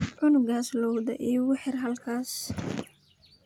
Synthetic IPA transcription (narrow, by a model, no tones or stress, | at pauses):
ʕʊnʊɡaːslɔwd̪ɐ̰ʔiːwʊħɪrɦɐlkʰaːs